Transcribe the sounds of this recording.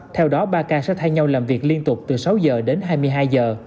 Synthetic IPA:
t̪ʰɛ˧wɗɔ˨˦ɓaː˧kaː˧sɛ̰˧˥t̪ʰaː˧jɲa˧wlaː˨˩mvi˨˩k̚li˧ənt̪ʊ˨˩k͡p̚t̪ɨ˨˩sa˨˦wzəː˨˩ɗe˨˦nɦaː˧jmɨ˧jɦaː˧jzəː˨˩

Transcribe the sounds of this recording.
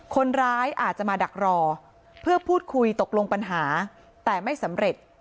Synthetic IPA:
kʰo˧nɾaː˦˥jʔaː˨˩t̪̚t͡ɕa˨˩maː˧da˨˩k̚ɾɔː˧ | pʰɯ˥˩ɐpʰuː˥˩t̪̚kʰu˧jt̪o˨˩k̚lo˧ŋpa˧nɦaː˩˦ | t̪ɛː˨˩ma˥˩jsa˩˦mɾe˨˩t̪̚

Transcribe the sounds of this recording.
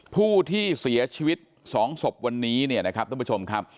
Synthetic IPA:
pʰuː˥˩t̪ʰiː˥˩si˩˦ɐt͡ɕʰiː˧wi˦˥t̪̚ | sɔː˩˦ŋso˨˩p̚wa˧nːiː˦˥ni˥˩ɐna˦˥kʰa˦˥p̚t̪a˥˩˦t͡ɕo˧mkʰa˦˥p̚

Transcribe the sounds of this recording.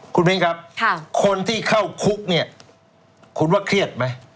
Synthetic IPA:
kʰu˧nme˦˥ŋkʰa˦˥p̚ʰkʰo˧nt̪ʰiː˥˩kʰa˥˩wkʰu˦˥k̚ni˥˩ɐ | kʰu˧˥nwaː˥˩kʰɾi˥˩ət̪̚ma˦˥j

